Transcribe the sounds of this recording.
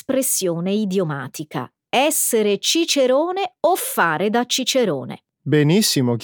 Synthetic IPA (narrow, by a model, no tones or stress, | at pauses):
spɾesːjoːneid̪jomaːt̪ika̰ | ɛsːeɾet͡ʃit͡ʃeɾoːneofːaːɾed̪at͡ʃːit͡ʃeɾo̰ːnḛ | benisːimok